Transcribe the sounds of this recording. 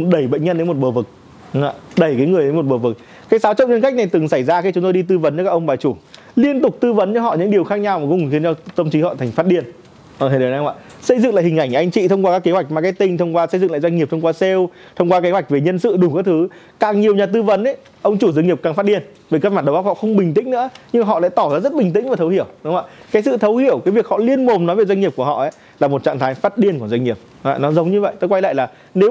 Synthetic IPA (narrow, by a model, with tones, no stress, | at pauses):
ɗə˧˩jɓə̰˧˨ŋ̟ɲə˧nɗe˨˦mo˨˩t̚ɓəː˨˩vɨ˨˩k̚ | a̰˧˨ɗə˧˩jkaː˨˦jŋɨ˨˩əjɗe˨˦mo˨˩t̚ɓəː˨˩vɨ˨˩k̚ | kaː˨˦jsaː˨˦wt͡ɕə̰˧˨wɲə˧nka˦˥k̟̚na˨˩jt̪ɨ˨˩ŋsa˧˩jzaː˧xaː˧˦t͡ɕʊ˨˦ŋ͡mt̪o˧jɗi˧t̪ɨ˧və˨˦nt͡ɕɔ˧˩kaː˦˥ʔə˧wŋ͡mɓaː˨˩t͡ɕu˧˩ | li˧ənt̪ʊ˨˩k͡p̚t̪ɨ˧və˨˦nt͡ɕɔ˧ɦɔ̰˧˨ɲɨ̰˧˥ŋɗi˨˩əwxaː˦˥k̚ɲa˧wma˨˩kɔ˨˦u˨˩xi˨˦nt͡ɕɔ˧t̪ə˧mt͡ɕi˨˦hɔ̰˧˨t̪ʰa˨˩ŋ̟fa˦˥t̚ɗi˧ənː˨˩˨ | ɔ˨˦jʔa̰ː˧˨ | sə˧jzɨ̰˧˨ŋla̰ː˨˩hï˨˩ŋʔa˧˩jŋ̟ʔa˧jŋ̟t͡ɕḭ˧˨t̪ʰə˧ŋ͡mkwaː˧kaː˦˥kːe˨˦hwa˨˩jk̟̚maː˨˩ka˨˦t̪ï˧ŋ̟t̪ʰə˧wŋ͡mkwaː˧sə˧jzɨ̰˧˨la̰ː˧˨zwa˧ŋŋ˨˩p̚t̪ʰŋ͡mkwaː˧sɛ˧w | t̪ʰə˧wŋ͡mkwaː˧ke˨˦wa˨˩jk̚ve˨˩ɲə˧nsɨ̰˧˨ɗu˨˧˩kaː˨˦˥k̚t̪ʰɨ˨˦ | kaː˨˩ŋɲi˨˩əwɲaː˨˩t̪ɨ˧və˨˦nʔə˨˦ | ʔə˧wŋ͡mt͡ɕu˧˩zɨ˧ŋi˨˩əp̚kaː˨˩ŋfa˦˥t̚ɗi˧ən | ve˨˩kə˧nmaː˧˩nɗwʔa˦˥p̚hɔ̰˧˨xə˧wŋ͡mɓï˨˩ŋ̟t̪ḭ̈˧˥ŋ̟nɨ̰˧˥əɲɨ˧ma˨ɦɔ̰˧˨la̰˧˥jt̪ɔ˧˩zaː˧˩zə˦˥t̚ɓï˨˩ŋ̟ï˧˥ŋ̟vaː˨˩t̪ʰwhi˧˩əwɗŋ͡ma̰ː˧˨kaː˨˦jsɨ̰˧˨t̪ʰə˨˦whi˧˩əwkaː˨˦vi˨˩ək̚hɔ̰˧˨li˧ənmo˨˩mnɔ˨˦jve˨˩zwa˧jŋi˨˩əp̚ku˧˩əhɔ̰˧˨ʔə˨˦ | laː˨˩mo˨˩t̚t͡ɕa̰ː˧˨ŋt̪ʰaː˨˦jfaː˦˥t̚ɗi˧ənku˧˩əzwa˧jŋ̟ŋi˨˩əp̚a̰˧˨nɔ˨˦zə˨˦wŋ͡mɲɨ˧və̰˧˨jt̪oː˧˦jkwa˧jla̰ː˧˨jlaː˨˩ | ne˨˦w